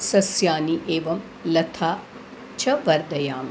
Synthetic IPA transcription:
sɐsjaːniʔeːʋɐm | lɐt̪ʰaː | t͡ʃʰɐʋɐɾd̪ɐjaːm

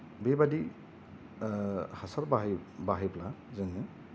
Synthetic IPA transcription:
bebadi | hasaɾbaɦibaɦijpʰlazɛŋɯ

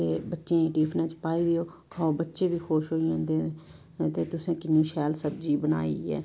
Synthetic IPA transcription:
t̪eːbətːʃẽeːʈiːpʰnãːt͡ʃpaːiːd̪ɪjoː | kʰaːobətːʃeːbʱiːxoːʃɦoːiãːnd̪e | t̪eːt̪ʊsẽːkɪnːiːʃɛːlsəb̚d͡ʒiːbəna̰ːḭɛ̰ː

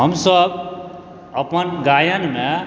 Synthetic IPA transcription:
ɦʌmsʌb | ʌpʌnɡajʌnma

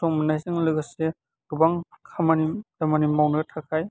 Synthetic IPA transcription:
sɔŋmanajsiŋlɯɡase | ɡubaŋkʰamanidamanimawnɯɡɐtʰakʰaj

